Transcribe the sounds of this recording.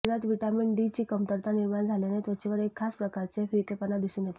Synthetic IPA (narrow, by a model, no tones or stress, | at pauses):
ɾat̪ʋiʈaminʈɖit͡ɕiːkəmt̪əɾt̪aniɾmand͡zʱalenet̪ʋət͡ɕiʋəɾekʰːaspɾəkaɾt͡sefikepənad̪isũnjet̪e